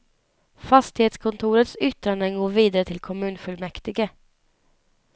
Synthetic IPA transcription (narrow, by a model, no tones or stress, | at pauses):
fast̪ɪheːt̪skʰɔnt̪ʰuːɾət̪sʏt̪ɾand̪ənɡoːɾviːd̪aɾət̪ʰɪlkʰɔmʉ̟ːnfɵlmɛkt̪ɪɡə